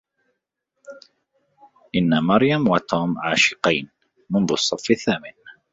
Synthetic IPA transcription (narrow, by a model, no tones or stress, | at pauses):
ʔɪnːamɑɾjamwat̪ʰuːmʕaːʃɪ̥qɑjn | mʊnðʊsˤːɑfːɪθːaːmɪn